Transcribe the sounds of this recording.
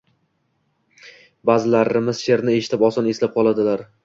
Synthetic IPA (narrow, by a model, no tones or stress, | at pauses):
bazɪlaɾɪmɪzʃe̞ɾnɪe̞ʃɪ̥t̪ʰɪpɒsɒne̞slap̚qʰɒlˠad̪ɪlaɾ